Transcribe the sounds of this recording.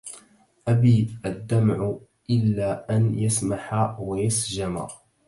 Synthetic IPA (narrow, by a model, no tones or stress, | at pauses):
ʔabiːʔad̪ːamʕʊ | ʔɪlːaːʔanjasmaħawajasd͡ʒama̰